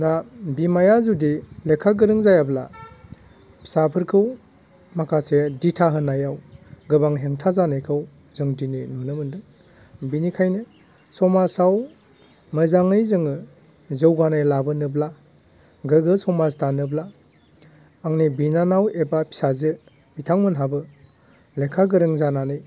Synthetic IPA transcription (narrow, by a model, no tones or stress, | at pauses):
nabimajazudilekʰaɡɯɾɯŋzajabla̰ | pʰi̥sapʰɯɾkʰɯw | makʰaseditʰaɦɯnajawɡɯbaŋɦeŋtʰazanɯjkʰɯw | zɯŋdininɔnɯmɯndɯ | binikʰajnɯ | sɔmasaw | mɯzaŋɯjzɯŋɯ | zɯwɡanajlabɯnɯbla | ɡɯɡɯsɔmastʰanɯbla | aŋnibinanawebapʰi̥sazɯ | b̥itʰaŋmɯnɦabɯ | lekʰaɡɯɾɯŋzananɯj